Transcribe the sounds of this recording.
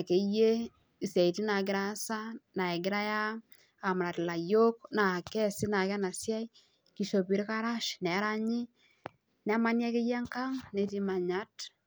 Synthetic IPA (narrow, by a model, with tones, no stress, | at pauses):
a˨ke˨˦je˦ | i˨sɛ˨i˨ti˦na˨ɡɪ˦ɾa˦sa˦na˨ɛ˨ɡɪ˦ɾa˦ja˦ | a˨mɾa˨tɪ˨la˨jo˦kna˨kɛ˦si˦na˨kɛ˦na˨sja˦i˦ | ki˨ʃo˨pi˨˦ɾka˦ɾa˦ʃnɛ˨˦ɾa˦ɲi˦ | nɛ˨˦ma˦nja˦ke˦jɛ˦ŋka˦ŋne˨ti˦ma˨ɲa˦t